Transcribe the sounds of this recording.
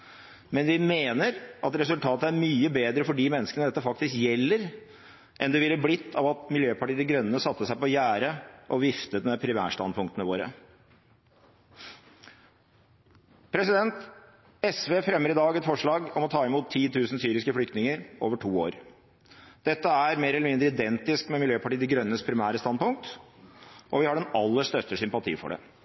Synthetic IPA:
mɛnʋɪmeːnəɾɑt̪ɾɛsʉlt̪ʰɑːt̪əæɾmyːəbeːd̪ɾəfɔɖiːmɛnːəskənəd̪ɛt̪ːəfɑk̚t̪ɪskjɛlːəɾ | ʔɛnd̪ɛʋɪlːəblɪt̪ʰːɑʋɑt̪mɪljøːpʰɑʈiːd̪əɡɾœnːəsɑt̪ːəsæɪpɔjæːɾəʔɔʋɪft̪ət̪mɛpʰɾɪʋæ̰ːʂt̪ɑ̰npʰʊŋkt̪ənəʋoːɾə̰ | pʰɾɛsɪd̪ɛnt̪ | ɛsʋeːfɾɛmːəɾɪd̪ɑːɡɛt̪fɔʂɭɑːɡɔmɔt̪ʰɑːɪmuːt̪ʰːiːt̪ʰʉːsn̩syːɾɪskəflʏkt̪nɪŋəɾoːʋəʈʰuːoːɾ | d̪̥ɛt̪ːəæɾmeːɾəɛlːəmɪnd̪ɾəɪd̪ɛnt̪ɪskmɛmɪljøːpɑʈiːd̪ɪɡɾœnːəspʰɾɪmæːɾəst̪ɑnd̪pʊŋk̚t̪ | ʔɔʋɪhɑɖɛnɑlːəʂt̪œt̪ːəʂʏmpɑt̪ʰḭːfɔ̰ɖɛ̰

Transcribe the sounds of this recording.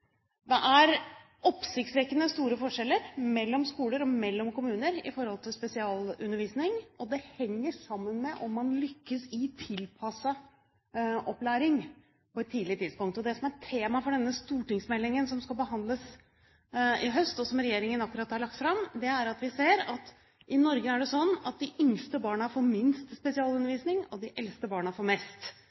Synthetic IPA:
d̪ɛʔæɾ | ʔɔpsɪkt̪sʋɛkːənəst̪uːɾəfɔʂɛlːəɾmɛlːɔmskuːləɾɔmɛlːɔmkʊmʉːnəɾɪ̰fɔɾhɔlt̪ʰɪlspɛsɪɑːlʉnːəɾʋiːsnɪŋɔd̪ɛhɛŋːəʂɑmːənmɛʔɔmːɑnlʏkːəsɪt̪ʰɪlpʰɑsɑ | ʔɔplæːɾɪŋ | pʰɔɛt̪ʰːiːd̪lɪət̪ʰɪd̪spʊŋkt̪ɔd̪ɛsɔmæʈʰeːmɑfɔɖɛnːəst̪uːʈɪŋsmɛlːɪŋənsɔmskɑlbəɦɑnd̪ləs | ɪɦœst̪ɔsɔmɾɛjeːɾɪŋənɑkːʉɾɑt̪hɑɾɭɑk̚t̪fɾɑmd̪ɛæɾɑt̪ʋɪseːɾɑt̪ | ʔɪnɔɾɡəæɖɛsɔnːɑ̰t̪̚d̪ɪʔʏŋst̪əbɑːɳɑfɔɾmɪnst̪spɛsɪɑːlʉnəʋiːsnɪŋɔd̪ɪʔɛlst̪əbɑːɳɑfɔɾmɛst̪

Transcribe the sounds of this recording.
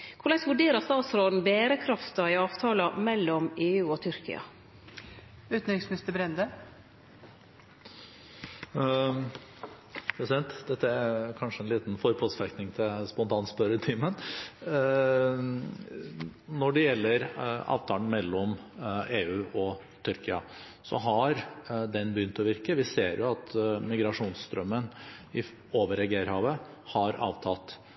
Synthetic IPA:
kʰʊɭæɪsʋʉɖeːɾɑst̪ɑːt̪sɾoːd̪n̩beːɾəkʰɾɑft̪ɑɪɑːʋt̪ʰɑːlɑmɛlːɔmeːʉːɔt̪ʰʏɾkɪ̰ɑ̰ | ʉːt̪n̩ɾɪŋsmnɪst̪əbɾɛnd̪ə | pʰɾɛsɪd̪ɛnt̪d̪ɛt̪ːəæɾkʰɑnʂəɛnliːt̪n̩fɔɾpʰɔsfɛknɪŋt̪ʰɪlspɔʊnt̪ʰɑːnspœɾət̪ʰiːmən | nɔɖɛjɛlːəɾɑ̰ːʋt̪ʰɑːn̩mɛlːɔmeːʉːʔɔ | t̪ʰʏɾkɪɑ | sɔ̰ɦɑɾd̪ɛnbəjʏnt̪ɔʋɪɾkəʋɪseːɾjʊɑt̪mɪɡɾɑʂuːnsst̪ɾœmːənɪ | oːʋəɾɛɡeɾhɑːʋə | hɑɾɑ̰ːʋt̪ʰɑt̪ː

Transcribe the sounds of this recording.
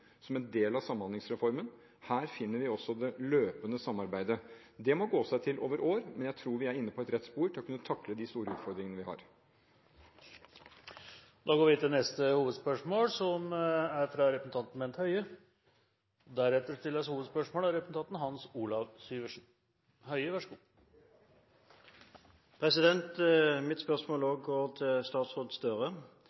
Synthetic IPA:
sɔmɛnd̪eːlɑʋsɑmːnɑnɪŋsɾɛfɔɾmən | hæːɾfɪnːəɾʋɪɔsːɔd̪ɛløːpənəsɑmːɑɾbæɪd̪ə | d̪ɛmɔɡoːsæɪt̪ʰɪlʔo̰ːʋəɾʔoːɾmɛnjæɪt̪ʰɾuːɾʋɪæɾɪnːəpʰɔɛt̪ɾɛt̪spuːɾʈ̪ʰɪlɔkʉnːət̪ʰɑkləd̪ɪst̪uːɾəʉːt̪fɔɾd̪ɾɪŋənəʋɪhɑ̰ːɾ | d̪ɑːɡoːɾʋɪt̪ɪlnɛst̪əhuːʋəd̪spœʂmoːlsɔmæɾfɾɑɾɛpɾsn̩t̪ɑnt̪n̩mɛnt̪hœʏə | d̪æɾɛt̪ːəʂʈ̪ɪlːəshuːʋd̪spœʂmoːlæɾɛpɾəsn̩ʰɑnt̪n̩ɦɑnsuːlɑʋsyːʋəʂn̩ | hœʏəʋæʂəɡuː | pʰʁɛsɪd̪ɛnt̪mɪt̪spœʁʂmoːloɡɡoːt̪ʰɪst̪ɑːt̪sʁoːd̪st̪œʁə

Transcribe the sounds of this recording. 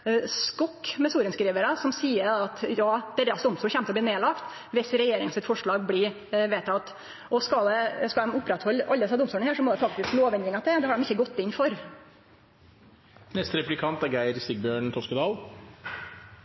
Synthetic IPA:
skɔkːmɛsuːɾənskɾiːʋəɾɑsɔmsiːəɾɑt̪jɑːd̪̥ɛɾːɑsd̪ɔmsuːçɛmt̪əɔb̪iːneːlɑkt̪ | ʋɪsɾɛjeːɾɪŋənsɪt̪fɔʂɭɑːɡbliː | ʋeːt̪ːt̪ | ʔɔskɑd̪ɛskɑlɛmʊpːɾɛt̪hɔlːʔɑ̰ld̪əɛsɑʋd̪ɔmsuːɳhæːʂɔmɔːd̪ɛfɑk̚t̪ɪskloːʋɛnd̪ɾɪŋɑt̪ʰɪd̪ɛd̪ɛhɑɖɛmɪçːəɡɔt̪ːɪnfɔɾ | nɛst̪ɾɛplɪkʰɑnt̪æɾɡæɪɾsɪɡ̚bjøːɳt̪ʰɔskəd̪ɑːl

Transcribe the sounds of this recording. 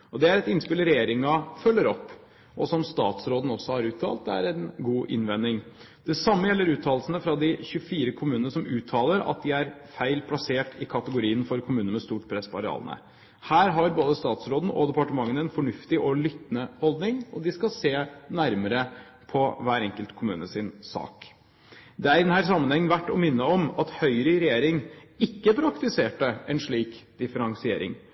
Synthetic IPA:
ʔɔd̪ɛæɾɛt̪ɪnspɪlɾɛjeːɾɪŋɑfœlːəɾɔpː | ʔɔsɔmst̪ɑ̰ːt̪sɾoːd̪n̩ɔsːɔhɑɾʉːt̪ʰɑ̰ːlt̪̚ːæ̰ɾɛnɡuːʔɪ̰nʋɛnɪŋ | d̪̥ɛsɑmːəjɛlːəɾʉːt̪ʰɑːlsən̩əfɾɑd̪ɪçʉəfiːɾəkʰʊmʉːənəsɔmʉːt̪ʰɑːləɾɑ̰t̪̚d̪ɪæɾfæɪlpʰlɑseːʈʰɪkʰɑt̪əɡʊɾiːənfɔɾkʰʊmʉːnmɛst̪uːʈpʰɾɛspɔɑɾɛɑ̰ːlənə̰ | hæːɾɦɑɾboːd̪əst̪ɑːt̪sɾoːd̪n̩ʔɔ̰d̪ɛpɑʈəmɑŋːənɛnfɔɳʉft̪ɪʔɔlʏt̪nəhɔld̪nɪŋɔd̪ɪskɑseːnæɾməɾə | pʰɔʋæːɾɛŋkəlt̪kʰʊmʉːnəsɪnsɑ̰ːk | d̪ɛæɾɪd̪ɛnhæːɾsɑmːənhɛŋːnʋæʈːɔmɪnːəɔmɑt̪hœʏɾəɾɛjeːɾɪŋɪkːəpʰɾɑkt̪ɪseːʈəɛnʂɭiːkd̪̥ɪfəɾɑŋsɪeːɾɪ̰ŋ

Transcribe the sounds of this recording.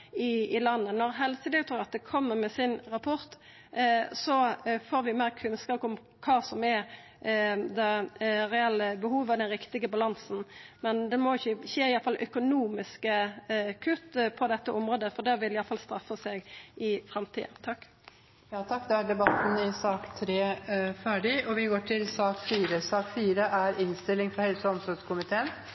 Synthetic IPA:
ɪɪlɑnːənɔɾɦɛlsəd̪ɛɡt̪ʰɾuːɾɑt̪̚d̪ɛkʰɔmːəʁmɛsɪnɾɑpʰɔɾt̪ | sɔfoːɾʋɪmeːʁkʰʉnskɑːpʊm | kʰɑːsɔmɛɾ | d̪ɛʁɛɛlːəbəhuːʋɑd̪ɛnɾɪkt̪ɪɡəbɑlɑnsn̩mɛnd̪ɛmɔɪçːəçeːɪjɑlfɑlʔœkʊnuːmɪskəkʰʉt̪ːpʰɔd̪ɛt̪ːəʔɔmɾoːd̪əfɔd̪æʋɪlɪjɑlfɑlst̪ɾɑfːəseːɡɪfɾɑmt̪ʰḭːd̪t̪ʰɑkː | jɑːt̪ʰɑkːd̪ɛæɖɛbɑt̪ːn̩ɪsɑːkt̪ʰɾeːfæːɖɪʔɔʋɪɡoːʈʰɪlsɑːkfiːɾəsɑːkfiːɾəʔæɾɪnst̪ɪlːɪŋfɾɑhɛlsəɔmsɔskʰʊmɪt̪ʰeːən

